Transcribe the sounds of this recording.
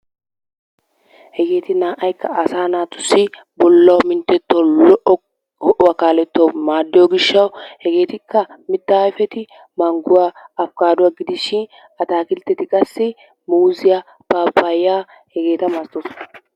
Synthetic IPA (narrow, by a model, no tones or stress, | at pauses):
hɛɡe̞ːt̪ɪnaːʔɐjkːɐɐsaːnaːt̪ʊ̥sːɪ | bɔlːɐwmɪnt̪ːɛt̪ːɔlɔʔɔ | hɔʔɔwakaːlɛt̪ːomaːd̪ːɪjoɡɪʃːɐwhɛɡeːt̪ɪkːɐmɪt̪ːaːɪfɛt̪ɪ | mɐŋɡʊwaːɐfkaːd̪ʊwaɡɪd̪ɪʃɪn | ɐt̪aːkɪlt̪ːɛt̪ɪkʼɐsːɪ | muːzɪja | b̥aːpːajaː | hɛɡe̞ːt̪ɐmɐst̪osɔ̥nɐ